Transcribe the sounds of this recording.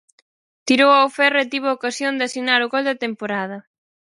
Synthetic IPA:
t̪iɾowawfɛret̪iβ̞ʊaokasjond̪asinaɾʊɣold̪ɐt̪empoɾað̞ɐ

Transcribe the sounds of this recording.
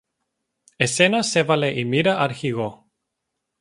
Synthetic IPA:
esenasevaleʔimiɾaʔaɾxiɣo

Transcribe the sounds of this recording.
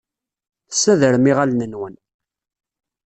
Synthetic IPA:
θə̥sːæðəɾəmiʁalnənwən

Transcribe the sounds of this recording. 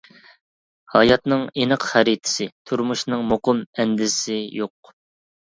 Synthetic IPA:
hɑjɑt̪nɨŋenəqχæɾit̪ʰɪ̥sɪt̪ʰuɾmuʃnɨŋmoqʊmɛnd̪ɪsɪjoq̚

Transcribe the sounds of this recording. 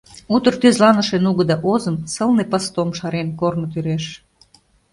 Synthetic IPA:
ut̪ərt̪øzlɑnə̆ʃenuɣə̆d̪ɑʔozə̆msəlnepəst̪omʃɑɾenkornŏt̪yɾeʃ

